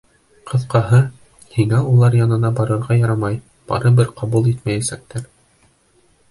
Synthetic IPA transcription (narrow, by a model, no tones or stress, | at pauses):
qʰɤ̆ðqɑɦɤ | hiŋæulˠɑɾjɑnɤ̆nɑbɑɾɤ̆ɾʁɑjɑɾɑmɑj | b̥ɑ̰ɾɤbɘɾqɑβulˠit̪mæjæsæk̚t̪æɾ